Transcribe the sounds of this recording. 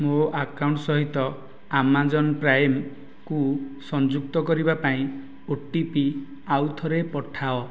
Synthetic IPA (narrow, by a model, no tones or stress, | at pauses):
moakawɳʈsɔɦit̪ɔ | amad͡ʒɔnɔpɾajm | kusɔnd͡ʒuk̚t̪ɔkɔɾibapaĩ | oʈipi | awt̪ʰɔɾepɔʈʰaɔ